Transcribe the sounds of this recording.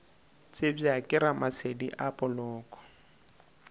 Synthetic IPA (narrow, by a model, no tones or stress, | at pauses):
t͡sʼɪb͡ʐjakʼɪɾamasediʔapʼɔlɔːkʼɔ̥